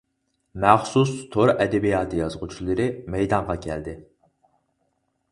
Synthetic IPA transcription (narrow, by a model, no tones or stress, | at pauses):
mæχsust̪ʰoɾɛd̪ɛbijɑːt̪ʰɨjɑzʁut͡ʃʰilˠɨɾɨmɛjd̪ɑɴʁɑkʲʰɛ̰ld̪ɪ